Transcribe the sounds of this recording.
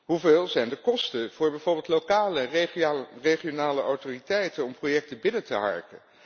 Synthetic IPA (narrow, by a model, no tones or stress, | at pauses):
ɦuveːlˠzɛjndəkɔstənv̥ʊːɹbɛjvʊɹbɪlˠtlokaːlə | reχijonaːləʔɔwtoːritɛjtənɔmprojɛk̚təbɪnətəɦɑ̰ɹkə̰